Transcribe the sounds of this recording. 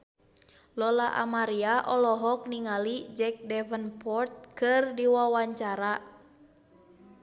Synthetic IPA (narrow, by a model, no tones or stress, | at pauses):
lɔlaʔa̰maɾiaʔɔlɔɦɔk̚niŋalid͡ʒɛk̚dɛvənpɔrt̪̚kɨrdiwawaɲt͡ʃaɾa